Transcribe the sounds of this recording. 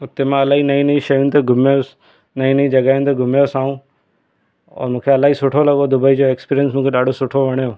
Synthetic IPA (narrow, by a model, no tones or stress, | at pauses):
ʊt̪emãɐlaːɦinɐĩnɐĩʃɐjũnt̪ɐɡʱʊmjo | nɐĩnɐĩd͡ʑɐɡaːɪ̃nt̪ɐɡʱʊmejosaːũ | ɔ̰ːɾmũːkʰeɐlaːɦisʊʈʰolɐɠod̪ʊbəid͡ʑoeːkspiːɾijənsmũːkʰeɗaːɖʱosʊʈʰoʋɐɽ̃joː